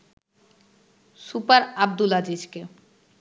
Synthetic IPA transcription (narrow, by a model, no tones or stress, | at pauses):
supaɾab̚d̪ulad͡ʑid͡ʑke